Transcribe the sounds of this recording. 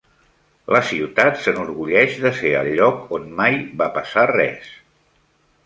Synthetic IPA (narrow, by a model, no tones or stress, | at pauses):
ləsiwt̪at̪sənuɾɣuʎɛʃðəfeə̰ʎːɔkonmajβapəsarɛ̰s